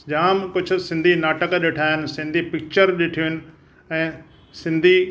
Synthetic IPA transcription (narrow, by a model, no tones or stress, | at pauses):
ʄaːmkʊd͡ʑʱʊ̆sɪ̃nd̪ʱinaːʈəkɗeːʈʰaːɦɪnɪ̆sɪ̃nd̪ʱipɪk̚t͡ɕəɾɗeːʈʰijoɦɪnɪ̆ | ɛ̃ː | sɪ̃nd̪ʱi